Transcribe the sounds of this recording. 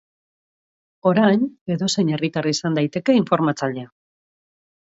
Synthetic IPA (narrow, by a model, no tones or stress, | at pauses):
o̞ɾajne̞ðo̞se̞jɲe̞rit̪araisand̪ajt̪e̞ke̞iɱfo̞ɾmat͡saʎe̞a